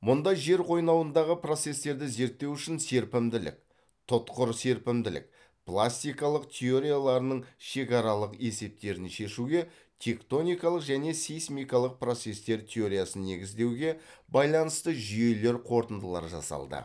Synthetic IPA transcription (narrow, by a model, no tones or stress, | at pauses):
mʊnd̪ɑjʒe̞ɾqʰo̞jnɑwənd̪ɑʁəpro̞t̪se̞st̪e̞ɾd̪ɪze̞ɾt̪ːe̞wʏʃɪnse̞ɾpɪmd̪ɪlɪ̰k̚ | t̪ʰʊt̪qʊɾse̞ɾpɪmd̪ɪlɪ̰k̚ | plˠasʲt̪ijkɑlˠəqt̪ʲʰe̞o̞ɾijalˠɑɾənəɴʃe̞kɑɾɑlˠəqe̞se̞p̚t̪e̞ɾɪnʃe̞ʃuɡʲe̞ | t̪ʲʰe̞kt̪o̞nijkɑlˠəqʒæne̞sejsmijkɑlˠəq̚pro̞t̪se̞st̪e̞ɾt̪ʲʰeo̞ɾijasənːe̞ɡʲɪzd̪e̞wɡʲe̞bɑjlˠɑnəst̪əʒʏje̞le̞ɾqʰo̞ɾt̪ənd̪əlˠɑ̰ɾʒɑ̰sɑ̰lˠd̪ə̰